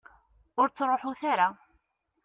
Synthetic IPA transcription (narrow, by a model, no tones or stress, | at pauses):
ʊɾt͡sːɾˤoħuθaɾa